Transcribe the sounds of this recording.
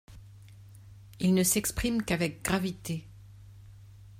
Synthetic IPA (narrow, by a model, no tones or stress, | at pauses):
ilnəsɛkspχimkavɛk̚ɡ̥ʁavit̪e